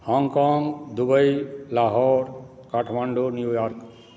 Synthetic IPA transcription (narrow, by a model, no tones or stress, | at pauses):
hɔ̃ŋɡkɔŋɡd̪ubəjlaɦɔɾ | kaʈʰmaɳɖonjujɔɾk